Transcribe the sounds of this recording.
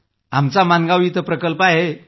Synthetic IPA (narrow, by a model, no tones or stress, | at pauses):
amt͡samanɡaʋit̪əpɾəkəlpaɦe